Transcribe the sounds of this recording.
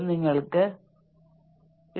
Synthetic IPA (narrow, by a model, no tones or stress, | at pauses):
niŋɡɐɭɯkːɯ | ɪ